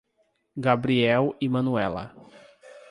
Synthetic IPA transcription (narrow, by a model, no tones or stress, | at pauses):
ɡabɾiɛwimɐ̃nuɛlɐ̰